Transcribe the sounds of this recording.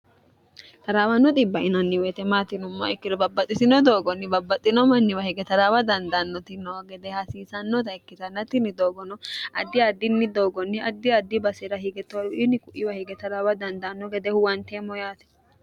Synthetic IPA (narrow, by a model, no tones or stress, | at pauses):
t̪ɐɾaːwɐnːɔt̪ʼɪbːɐɪnɐnːɪwɛt̪ɛmaːt̪ɪnʊmːɔ̰ɛkːɪd̪ɔbɐbːɐt̪ʼːɪsɪnɔd̪o̞ːɡɔnːɪbɐbːɐt̪ʼːɪnɔmɐnːɪwɐhɪɡɛt̪ɐɾaːwɐd̪ɐnd̪ɐnːɔt̪ɪnːɔwɐɡɛd̪ɛhɐsiːsɐnːɔt̪ɐɪkːɪt̪ɐnːɐt̪ɪnːɪd̪oːɡɔnɔʔɐd̪ːɪɐd̪ːɪnːɪd̪o̞ːɡɔnːɪɐd̪ːɪɐd̪ːɪbɐsɛɾɐhɪɡɛt̪oʊʔɪnːɪkʊʔɪwɐhɪɡɛt̪ɐɾaːwɐd̪ɐnd̪anːɔɡɛd̪ɛhʊwɐnt̪emɔjaːt̪ɪ̥